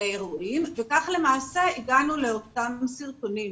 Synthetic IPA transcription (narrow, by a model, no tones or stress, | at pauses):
eʁuimvekaχle̞maːseiɡanule̞ot̪amsiʁtonim